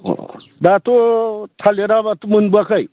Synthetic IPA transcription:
o̰ | dat̪ot̪ʰaleɾabat̪umunbuakʰaj

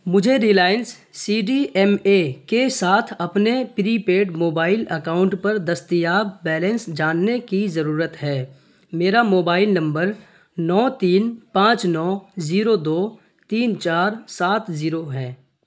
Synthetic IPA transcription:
mʊd͡ʒʱeɾiːlaːɪnsː | iːɖiʔɛmekesaːt̪ʰɐpnepɾiːpeːɖmoːbaːɪlɐkaːʊ̃ɳʈpɐɾd̪ɐst̪ijaːbːɛːlə̃nsd͡ʒaːnːekizɐɾuːɾət̪ɦɛː | meːɾamoːbaːɪlnɐ̃mbəɾ | nɔːt̪iːnpãːt͡ʃnɔːziːɾod̪oː | t̪iːnt͡ʃaːɾsaːt̪ʰziːɾoɦɛ̃ː

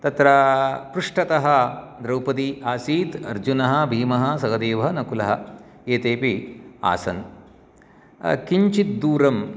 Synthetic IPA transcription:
t̪ɐt̪ɾɐpɾuʂʈɐt̪ɐɦɐ | d̪ɾɐwpɐt̪iʔaːsiːt̪ɐɾd͡ʒunɐɦɐ̆bʱiːmɐɦɐ̆sɐɡɐd̪eːʋɐɦɐnɐkulɐɦɐ | eːt̪eːpia̰ːsɐ̰n | kiɲt͡ʃit̪̚d̪uːɾɐm

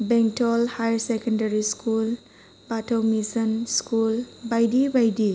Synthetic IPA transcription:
beŋtʰɔlhajɾsekəndaɾiskul | patʰawmisənskulbajdibajdi

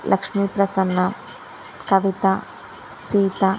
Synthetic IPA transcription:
lʔɐkʂmipɾɐsɐnːɐ | kɐʋit̪a | siːt̪a

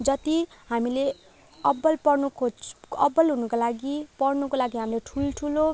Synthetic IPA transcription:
d͡zʌt̪iɦamile | ʌbʌlpʌrnukʰoʌbːʌlɦunʌkolaɡipʌrnukolaɡiɦamileʈʰulʈʰulo

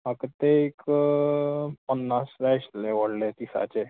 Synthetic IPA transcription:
makət̪ek | pənːasɾasleʋəɽlet̪isa̰t͡ɕe

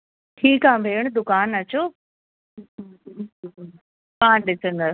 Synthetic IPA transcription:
ʈʰiːkambʱeːəɽ̃d̪ʊkaːnɐt͡ɕoː | paːnɗɪsə̃nd̪əs

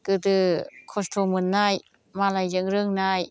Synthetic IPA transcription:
kɯt̪ɯkʰost̪ʰomɯnːaj | malajzɯŋɾɯŋnaj

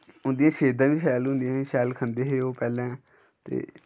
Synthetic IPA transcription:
ʊnd̪ijãːʃeːd̪ãːʋiːʃɛːlɦʊ̃nd̪ijãːʃɛːlkʰənd̪eːɦeːoːpɛːlɛ̃ː | t̪ḛː

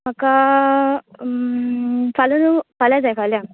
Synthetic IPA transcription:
məka | falunufaljad͡zajfalja

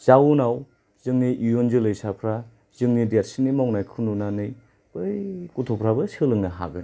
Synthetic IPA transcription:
z̥aunaw | zɯŋniʔijonzɯlɯjsapʰɾa | zɯŋnidat̚sinimawnajkʰɯnunanɯj | bɯjkutʰopʰɾabɯsɯlɯŋnɐɦa̰ɡɯn

